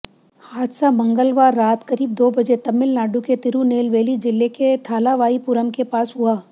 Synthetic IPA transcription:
haːt̪samɐ̃ŋɡəlʋaːɾːaːt̪kɐɾiːb̚d̪oːbɐd͡ʒet̪ɐmːɪlnaːɖuket̪ɪɾuneːlʋeːlid͡ʒɪlːeket̪ʰaːlaʋaːipʊɾəmkepaːsɦʊaː

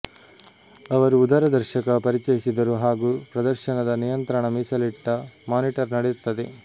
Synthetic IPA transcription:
ɐʋɐɾuːd̪aːɾɐd̪ɐɾʃɐkɐpɐɾit͡ʃɐjisid̪ɐɾuɦaːɡuːpɾɐd̪ɐɾʃɐɳɐd̪ɐnijɐnt̪ɾɐɳɐmiːsɐliʈːɐmaːniʈɐɾnɐɽejut̪ːɐd̪e

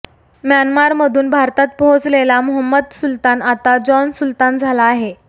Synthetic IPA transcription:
mjanmaɾməd̪ʱuːnbʱaɾt̪at̪̚pɔɦot͡slelamuɦəmːəd̪sult̪anat̪ad͡ʑɔnsult̪and͡zʱalaːɦe

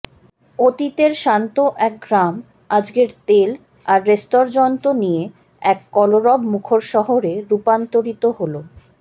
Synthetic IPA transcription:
ot̪it̪eɾʃant̪oʔɛk̚ɡɾam | ad͡ʑɡeɾt̪el | aɾːesʈoɾd͡ʑɔnt̪onije | ɛkːɔloɾɔbmukʰoɾʃɔɦoɾeɾupant̪oɾit̪oɦolo

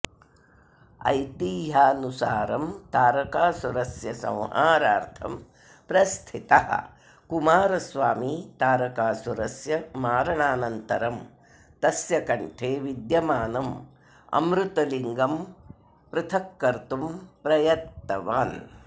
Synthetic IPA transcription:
ɐ̰jt̪iːɦaːnusaːɾɐmt̪aːɾɐkaːsuɾɐsjɐsɐ̰̃w̃ɦaːɾaːɾt̪ʰɐ̰m | pɾɐst̪ʰit̪ɐɦɐ̰ | kumaːɾɐsʋaːmiːt̪aːɾɐkaːsuɾɐsjɐmaːɾɐɳaːnɐnt̪ɐɾɐm | t̪ɐsjɐkɐɳʈʰeːʋid̪jɐmaːnɐm | ɐ̰mɾut̪ɐliŋɡɐm | pɾɪt̪ʰɐkːɐɾt̪umpɾɐjɐt̪ːɐʋaːn

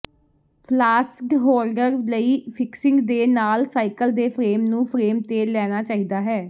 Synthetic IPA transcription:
pʰlaːsʈɦoːlɖəɾləiːpʰɪksɪ̃ŋɡd̪eːnaːlsaːikəld̪eːpʰɾeːmnũːpʰɾeːmt̪eːlɛːñaːt͡ʃaːiːd̪aːɦɛː

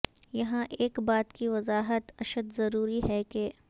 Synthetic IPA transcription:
jɐɦãʔeːkbaːt̪kiʋɐzaːɦət̪ɐʃəd̪zɐɾuːɾiɦɛke

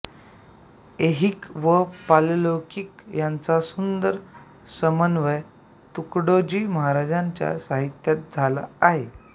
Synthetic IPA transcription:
eɦikʋəpallokikjant͡sasund̪əɾ | səmənʋəj | t̪ukɽod͡ʑiːməɦaɾad͡ʑãɲt͡ɕja̰saɦit̪jat̪̚d͡zʱala̰ːɦe

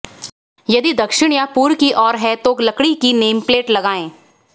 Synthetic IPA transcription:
jɐd̪id̪ɐkʃɪɽ̃japuːɾkiʔɔːɾɦɛt̪oːklɐkɽikineːmpleːʈlɐɡaːẽː

